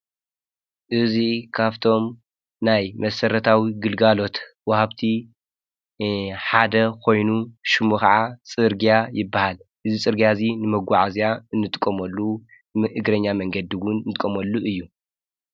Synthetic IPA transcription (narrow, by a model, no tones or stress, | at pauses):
ʔɨzikʰaβt̪ʰo̞m | najmɐsɐɾɐt̪ʰawiɡɨlɡalo̞t̪wɐhaβt̪ʰi | ħad̪ɐkʰo̞jnuʃɨmukɐʕat͡sʼɨɾɡijajɪbːahalʔɨzit͡sʼɨɾɡijazinɨmɐɡʷaʕazijaɨnːɨt̪ʼkʼːɐmɐlːu | ʔɨɡɾɐɲːamɐŋɡɐd̪iwʊnnt̪ʼɨkʼːɐmɐlːuʔɨjːu